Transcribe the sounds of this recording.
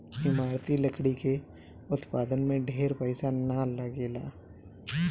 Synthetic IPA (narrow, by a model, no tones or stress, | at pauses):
ɪmaːɾt̪iləkɽike | ʊt̪paːd̪ənmẽɖʱeːɾpəɪsanalaɡeːla̰ː